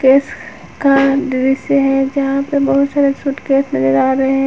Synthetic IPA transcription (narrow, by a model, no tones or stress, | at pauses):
keːs | kaɖɪʋɪseɦɛ̃d͡ʒɐɦãpebɐɦʊt̪saːɾesuʈkeːsnɐzəɾaːɾɐɦeɦɛ̃